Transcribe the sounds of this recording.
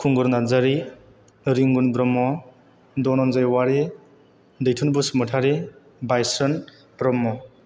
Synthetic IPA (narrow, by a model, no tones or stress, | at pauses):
kʰuŋɡɔɾnazaɾi | ɾiŋɡunbɾɔmːɔ | dɔnɔnzajwaɾi | dɯjtʰunbusmɯtʰaɾi | bajsɔn | b̥ɾɔmːɔ